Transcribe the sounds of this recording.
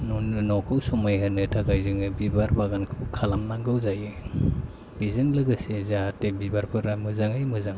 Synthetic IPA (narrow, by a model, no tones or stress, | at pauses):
nnɔkʰɯwsɔmajɦɯnɯtʰaɡajzɯŋɯbibaɾbaɡankʰɯwkʰalamnaŋɡɯwzajɯ | bizɯŋlɯɡɯsezaatebibaɾpʰɯɾamɯzaŋɯjmɯzaŋ